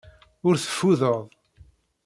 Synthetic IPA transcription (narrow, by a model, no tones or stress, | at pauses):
ʊɾθə̥fːuðəðˤ